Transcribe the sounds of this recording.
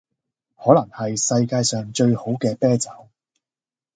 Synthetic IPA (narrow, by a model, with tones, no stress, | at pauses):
hɔː˨˥lɐ˨˩ŋhɐ˨jsɐ˧jkaː˧jsœː˨ŋt͡ʃɵ˧ɥho˨˥wkɛː˧pɛː˥t͡sɐ˨˥w